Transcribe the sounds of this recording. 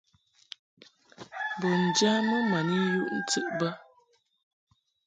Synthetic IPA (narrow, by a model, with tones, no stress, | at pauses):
bo˨n̩˨d͡ʒa˦mə˦ma˨ni˦ju˦ʔn̩˦ti˦˨ʔba˦